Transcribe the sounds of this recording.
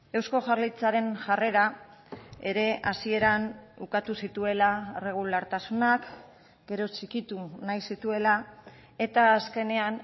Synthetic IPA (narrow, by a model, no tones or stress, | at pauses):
e̞wsko̞ʝaɾlit͡saɾe̞nʝare̞ɾa | e̞ɾe̞asie̞ɾanukat̪usit̪ue̞laere̞ɣ̞ulaɾt̪asunak | ɡ̥e̞ɾo̞t͡ʃikit̪unajsit̪ue̞la | e̞t̪aːske̞ne̞an